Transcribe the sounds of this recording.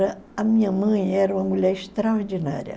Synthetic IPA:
ɾɐɐmĩɲɐmɐ̃j̃ɛɾɐũmɐmulɛɾɪʃt̪ɾɐoɾd͡ʒina̰ɾʲjɐ̰

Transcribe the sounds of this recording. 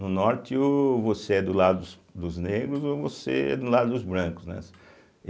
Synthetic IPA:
nʊnɔɾt̪ɪʊvoseɛd̪ʊlad̪ʊd̪s | d̪ʊzneɡɾʊzovosḛɛ̰d̪ʊlad̪ʊd̪ʊzbɾɐ̃kʊznɛ̰s

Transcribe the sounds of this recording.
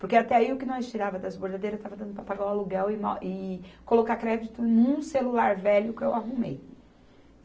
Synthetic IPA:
poɾkeat̪ɛaiʊkɪnɐ̃ɪst͡ʃiɾavɐd̪ɐzboɾd̪ad̪ejɾɐzt̪avɐd̪ɐ̃nd̪ʊpɾɐpaɡawaluɡɛwɪmaʔɪkolokakɾɛd͡ʒit̪ʊnũselulaɾvɛʎʊkɪewaɦumḛj

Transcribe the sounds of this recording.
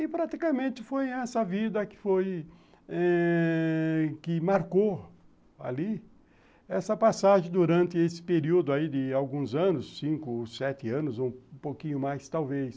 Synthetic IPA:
ɪpɾat̪ikɐmẽnt̪ɪfojɛsɐvid̪ɐkɪ̥foj | ɛ | kɪmaɾko | a̰li | ɛsɐpasaʒẽd̪uɾɐ̃nt̪ɪesɪ̥peɾiwd̪ʊaid̪ɪawɡũzɐ̃nʊsːĩŋkʊsɛt̪ɪɐ̃nʊzoũũpowkĩɲʊmajst̪awves

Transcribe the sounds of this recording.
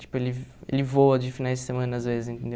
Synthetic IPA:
t͡ʃi̥pʊelɪḛlɪvowɐd͡ʒɪfinajzd͡ʒɪsemɐ̃nɐazvezɪzẽt̪ẽnd̪e

